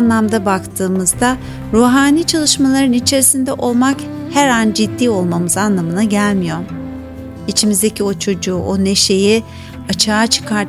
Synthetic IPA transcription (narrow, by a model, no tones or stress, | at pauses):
nlˠamd̪abakt̪ʰɯːmɯzd̪a | ɾuːɦaːniːt͡ʃʰalˠɯʃmalˠaɾɯnit͡ʃʰe̞ɾisind̪ɛʔo̞lˠmak | hæɾand͡ʒid̪ːiːo̞lˠmamɯzanlˠamɯnaɟælʲmijo̞ | it͡ʃʰimizd̪ecʰio̞t͡ʃʰo̞d͡ʒuːʔo̞ne̞ʃe̞ji | at͡ʃʰaːt͡ʃʰɯ̥kʰaɾ